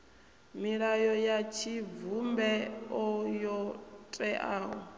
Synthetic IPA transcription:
miɺajɔjat͡ʃʰivumbɛɔjɔtʼɛʔaːɦɔ

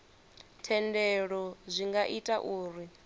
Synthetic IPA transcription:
tʰɛndɛɺɔzʷiŋɡaʔitʼaʔuːɾi

